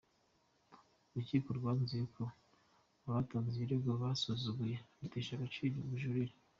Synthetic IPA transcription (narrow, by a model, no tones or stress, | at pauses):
uɾuciːkoɾɡwaːnzijeko | aβataːnziiɾeɡaβasozuɡuje̞βuteʃaɡat͡ʃibiβuʒuɾiɾe